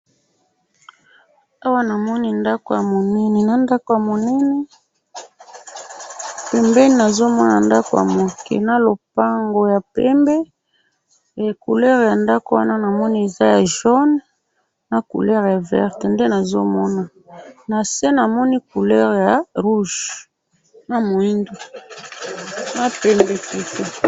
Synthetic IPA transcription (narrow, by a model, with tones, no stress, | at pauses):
a˦wa˦na˨mɔ˦ni˦nda˦ko˨ja˨mo˨nɛ˦nɛ˨na˨nda˦ko˨ja˨mo˨nɛ˦nɛ˦ | pɛ˨mbɛ˦ni˦na˨zo˦mɔ˦na˨nda˦ko˨ja̰˨mo˨kʰḛ˨na˦lo˨pa˦ŋɡo˨ja˨pɛ˦mbe˦˨ | ku˨lɛ˦ʁja˨nda˦ko˨wa˦na˦na˨mɔ˦ni˦e˨za˦ja˨ʒɔ˦n | na˨kṵ˨lɛ˦ʁja˨vɛ̰˦ʁtnde˦na˨zo˦mɔ˦na˨ | na˨sɛ˦na˨mɔ˦ni˦ku˨lɛ˦ʁja˨ʁu˦ʒ | na˨mo˨i˦ndo˨ | na˦pɛ˨mbe˨ti˨te˨